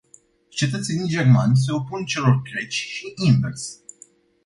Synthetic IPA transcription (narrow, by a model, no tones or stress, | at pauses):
t͡ʃe̞t̪ət̪se̞nijd͡ʒe̞rmanʲs̬e̞o̞punt͡ʃe̞lo̞rkɾe̞t͡ʃʲʃiʔinvḛrs